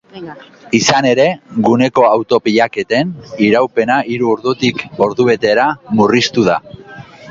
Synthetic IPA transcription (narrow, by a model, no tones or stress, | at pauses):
isane̞ɾe̞ɡune̞ko̞awt̪o̞piʎake̞t̪e̞niɾawpe̞naʔiɾuoɾðut̪iko̞ɾðuβe̞t̪e̞ɾamurist̪uða